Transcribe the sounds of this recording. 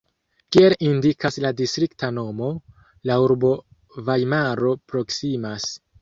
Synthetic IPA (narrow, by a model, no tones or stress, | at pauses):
kielindikasladistɾiktano̞mo̞ | lauɾbo̞ | vajmaɾo̞pɾo̞ksimas